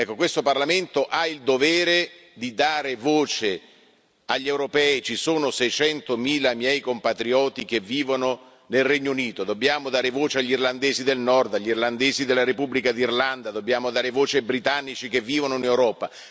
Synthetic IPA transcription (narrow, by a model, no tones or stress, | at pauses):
ɛkːokwest̪oparlamɪnt̪oʔaild̪ovɛːɾed̪id̪aːɾevoːt͡ʃe | aʎːewɾopɛːit͡ʃisoːnosɛjt͡ʃɛnt̪omiːlamjɛjkompat̪ɾiɔːt̪ik̟evːiːvono | nelrɛɲːouniːt̪od̪obːjaːmod̪aːɾevoːt͡ʃeaʎːirland̪eːzid̪elnɔrd̪aʎːirland̪eːzid̪elːaɾepubːlikad̪irland̪ad̪obːjaːmod̪aːɾevoːt͡ʃebɾit̪anːit͡ʃik̟evːiːvonoinewɾɔːpa